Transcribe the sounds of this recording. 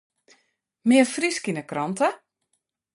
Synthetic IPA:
mɪərfriskinəkrɔntə

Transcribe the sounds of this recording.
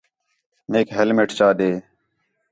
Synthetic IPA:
meːkɦelmeːʈt͡ʃaːɗ̪eː

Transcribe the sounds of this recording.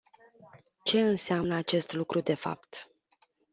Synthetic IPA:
t͡ʃe̞ɨnseamnəat͡ʃe̞st̪lukɾud̪e̞fa̰pt̪

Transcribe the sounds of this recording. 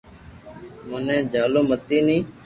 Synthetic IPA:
mənɛ̃ːd͡ʒaːloːmət̪iːnĩː

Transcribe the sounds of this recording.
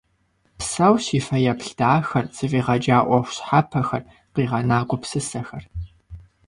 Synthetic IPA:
psawsiːfɐjɐpɬd̥aːxɐnt͡sʼɨfiːʁɐd͡ʒaːʔʷɔxʷɕħapʰɐxɐr | qiːʁɐnaːɡʷʊpsɨsɐxɐr

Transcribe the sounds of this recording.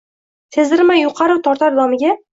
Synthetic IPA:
t̪ʰezɪɾmajʊqʰɑɾɨwt̪ʰɒɾt̪aɾd̪ɒmɪɡʲa

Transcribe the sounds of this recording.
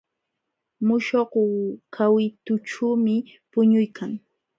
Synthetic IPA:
mʊʃoqkʰawɪt̪ʊʈ͡ʂuːmɪ | pʊɲʊjkʰaŋ

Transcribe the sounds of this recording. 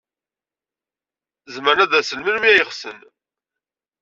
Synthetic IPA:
zməɾnæðæsəlmiɾmiæjəχsən

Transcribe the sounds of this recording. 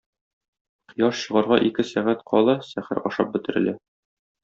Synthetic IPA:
qjɒʃɕɤ̆ʁɑɾʁɑʔikɘsæʁæt̪qʰɒlˠɑsæχæɾɒʃɑp̚bɘ̆t̪ɘ̆ɾɘ̆læ

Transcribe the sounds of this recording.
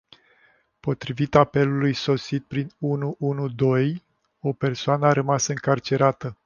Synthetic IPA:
po̞t̪ɾivit̪ape̞lulujso̞sit̪̚pɾinunuʔunud̪o̞j | o̞pe̞rsoanəaɾəmasɨŋkart͡ʃe̞ɾat̪ə

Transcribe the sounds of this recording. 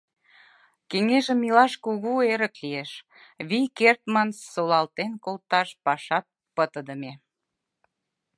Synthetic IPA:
keŋeʒəmilɑʃkuɣueɾə̆klieʃ | βijkert̪mansːolɑlt̪enkolt̪ɑʃpɑʃɑt̪̚ | pət̪əd̪ə̆me

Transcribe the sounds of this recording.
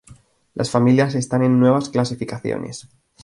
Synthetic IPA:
lʔasfamiljase̞st̪ane̞nːwe̞β̞asklas̬ifikaθjo̰nʔe̞̰s

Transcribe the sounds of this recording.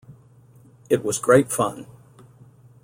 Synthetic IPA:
ɨt̚wʌzɡɹeɪtfʌ̃n

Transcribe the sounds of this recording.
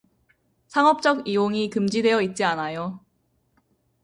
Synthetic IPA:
sʰaŋʌp̚t͡ɕ͈ʌɡijoŋikɯmd͡ʑidwe̞jʌit̚t͡ɕ͈ianajo

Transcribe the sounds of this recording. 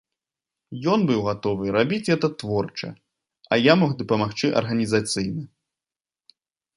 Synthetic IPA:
jɔnbɨwɣat̪ɔvɨɾabʲit͡sʲɣɛt̪ɐt̪vɔrt͡ʂɐ̰ | ɐjamɔɣd̪ɐpɐmaxt͡ʂɨʔɐ̰rɣɐnʲizat̪sɨjnɐ

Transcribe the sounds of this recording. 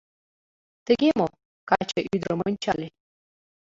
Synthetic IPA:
t̪ə̆ɡʲemo | kɑt͡ɕəʔyd̪ɾəmonʲt͡ɕɑlʲe

